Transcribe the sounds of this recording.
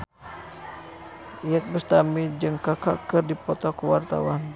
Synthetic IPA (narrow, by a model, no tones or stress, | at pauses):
iɛt̪̚bəst̪amid͡ʒəŋkakakərdipɔt̪okəwart̪a̰wan